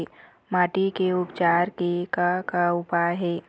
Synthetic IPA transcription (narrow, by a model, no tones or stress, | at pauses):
maːʈikeʊpt͡ʃaːɾkekakaʊpajɦɛː